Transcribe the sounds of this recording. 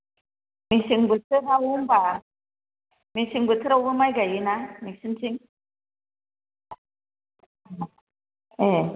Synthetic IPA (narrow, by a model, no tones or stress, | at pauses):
misiŋbɯtʰɯɾawumba | misiŋbɯt̪ʰɯɾawbɯmajɡajɯnamisɯnsiŋ | e